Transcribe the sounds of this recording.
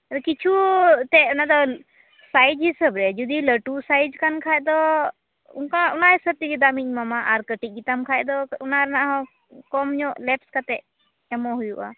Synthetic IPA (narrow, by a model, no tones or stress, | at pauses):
ɾkit͡ʃʰut̪ɛʊnad̪ɔ | sajd͡ʒɦisəbɾɛd͡ʒud̪iləʈusaːjd͡ʒkankʰaɛd̪ɔ | ʊ̰nkãʊnaɦisəb̚t̪ikid̪amiɲmamaʔaɾkəʈik̚ɡit̪amkʰaɛd̪ɔunaɾnaɦɔ̃ | kɔmɲɔ̃lɛpskat̪ɛ | ɛmoɦujuʔa̰ː